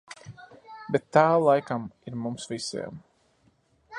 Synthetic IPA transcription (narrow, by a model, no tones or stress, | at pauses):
bet̪ːaːlˠajkamiɾmumsvisḭɛm